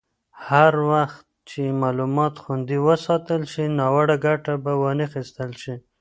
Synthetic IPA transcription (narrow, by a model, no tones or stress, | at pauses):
haɾwaxt̪̚t͡ʃemɑlumɑt̪xund̪iwəsɑt̪əlʃinɑwaɽaɡaʈabawənəxist̪əlʃi